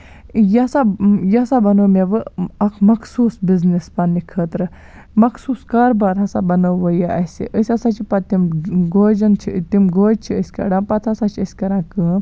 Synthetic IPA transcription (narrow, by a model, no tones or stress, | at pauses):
jasajɐsabɐnəːmeʋɨɐkʰmɐkʰsuːsbiznispanːikʰəːt̪ɾɨ | mɐksuːskaːɾbaːɾɦɐsa̰bɐnɐwʋɐjaʔɐsḭʔəsʲasat͡ʃʰipɐt̪imɡoːd͡ʒɐnt͡ʃʰit̪imɡoːd͡ʒt͡ʃʰiəsʲkɐ̰ɖãːmpɐt̪ʰasat͡ʃʰiəsʲkɐɾãːkɨ